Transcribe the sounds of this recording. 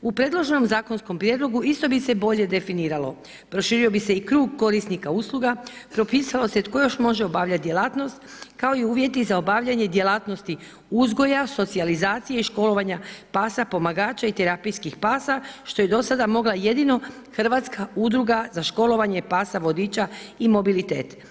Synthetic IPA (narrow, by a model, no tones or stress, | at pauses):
upɾe̞ːd̪lˠo̞ʒno̞mzaːko̞nsko̞mpɾjed̪lˠo̞ɡuist̪o̞bise̞bo̞ʎe̞d̪e̞finiːɾalo̞ | pɾo̞ʃiːɾio̞bise̞ikɾuːɡ̚ko̞ɾisnikauslˠuɡapɾo̞piːsalo̞set̪ko̞jo̞ʃmo̞ʒeo̞baːʋʎat̪̚d̪je̞lˠaːt̪no̞st̪ | kao̞iuːʋje̞t̪izao̞baʋʎaɲe̞d̪je̞laːt̪no̞st̪i | uzɡo̞jaso̞t̪sializaːt̪sijeiʃko̞lo̞ʋaɲapaːsapo̞maɡaːt͡ʃait̪eɾapijskixpaːsaʃt̪o̞je̞d̪o̞sad̪amo̞ɡlˠaje̞d̪ino̞ | xr̩ʋat̪skaud̪ɾuɡazaʃko̞lo̞ʋaɲe̞paːsaʋo̞d̪iːt͡ɕaimo̞bilit̪ḛːt̪